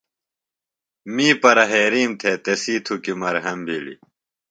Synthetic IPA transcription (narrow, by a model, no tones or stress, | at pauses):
miːpɐɾɐɦeːɾiːmt̪ʰeːt̪esiːt̪ʰukimɐɾɦɐmbʱiːlḭ